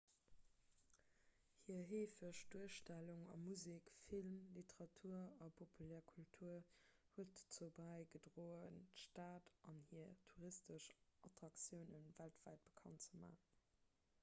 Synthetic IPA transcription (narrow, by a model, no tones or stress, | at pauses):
hiːɐɦeːfəʃd̥uəʃtæluŋɑ̰muzikfilmlitəʁɑtʰuːɐɑpʰopʰulɛːɐkʰultʰuːɐ | huətt͡sobæɪɡədʁoːəntəʃtaːtʔɑnhiːɐtʰuʁistəʃʔɑtʁ̥ɑkt͡sjəʊnənvæltv̥æɪt̚b̥ə̥kʰɑ̰ntt͡səma̰ːχən